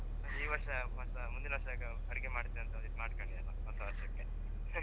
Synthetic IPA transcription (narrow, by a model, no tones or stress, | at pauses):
ɐiːʋɐɾʂɐɦɐsɐmund̪inɐʋɐɾʂɐɡɐ | ɐɽiɡemaːɽt̪ːeɐnt̪ɐd̪it̪maːɽkɐɳɖiɐlːɐɦɔsɐʋɐɾsɐkːe